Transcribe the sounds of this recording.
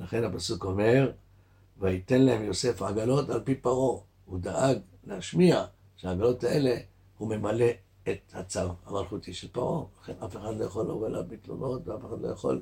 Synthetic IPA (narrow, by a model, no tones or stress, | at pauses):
laχe̞nhapasuko̞me̞ʁ | vaite̞nlahe̞mjo̞se̞fʕaɡalo̞talpipaʁo̞ | hud̪aʔaɡ | leaʃmia | ʃeaːɡalo̞taʔele̞ | hume̞male̞ː | t̪hat͡savhamalχutiʃelpaʁo̞laχe̞nafe̞χadlo̞jaχolːovela̰vmitlo̰lo̞tveafexadlo̞jaχo̰l